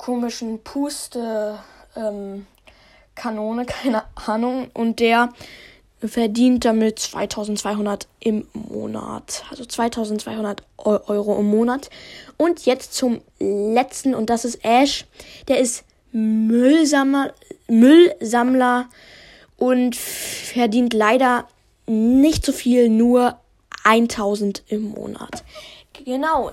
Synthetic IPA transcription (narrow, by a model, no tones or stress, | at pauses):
kʰoːmɪʃn̩pʰuːstəʔɛm | kʰanoːnəkʰaɪnəʔaːnʊŋʔʊnt̚d̥eːɐ | fɛɐdiːnt̚d̥amɪt̚t͡sv̥a̰ɪtʰaʊzn̩tt͡sv̥aɪɦʊndɐtʔɪmːo̰ːna̰tʔalzot͡sv̥aɪtʰaʊzn̩tt͡sv̥aɪhʊndɐtʔɔʏʔɔʏʁoʔɪmːoːnatʔʊntʰjɛt͡stt͡sʊm | lɛt͡stn̩ʊnt̚d̥asɪstʔɛʃd̥eːɐɪst | l | mʏlzamlɐ | ʔʊntfɛɐdiːntlaɪɾɐ | nɪçtz̥ofiːlnuːɐ | ʔaɪntʰaʊzn̩tʔɪmːo̰ːna̰tɡ̥ənaʊ